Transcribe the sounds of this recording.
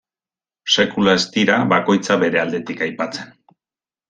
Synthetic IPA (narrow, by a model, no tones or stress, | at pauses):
se̞kulae̞st̪iɾaβako̞jt͡saβe̞ɾe̞ald̪e̞t̪ikajpat͡se̞n